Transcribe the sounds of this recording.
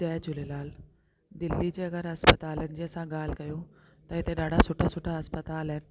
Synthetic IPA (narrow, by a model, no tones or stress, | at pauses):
d͡ʑɛːɦd͡ʑʊlelaːl | d̪ɪlːid͡ʑeːɐɡəɾɐspət̪aːlənɪ̆d͡ʑeːɐsãɡaːl̤ɪkɐjot̪ɐɦɪt̪eɗaːɖʱasʊʈʰasʊʈʰaɐspət̪aːləɦnɪ̆